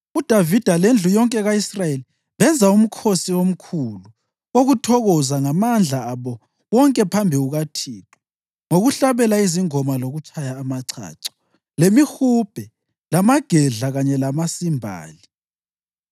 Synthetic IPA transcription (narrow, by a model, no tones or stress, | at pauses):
ud̥ʱavid̥ʱalend͡ɮʱujɔŋkʼɛɣaisrajeli | βɛnd͡zʱaum̩kʰosiom̩kʰulu | oɣutʰɔɣɔzaŋamand͡ɮʱaːβɔ | wɔŋkʼɛpʰambʱiuɣatʰiːtʼɛ̥ | ŋoɣuɬaβɛlaiziŋɔmaloɣut͡ʃʼajaːmaǀʰa̰ːǀɔ̥ | lemixub̥ʱɛ | lamaɡ̥ʱɛɮaɣaɲɛlamasimbʱa̰ːli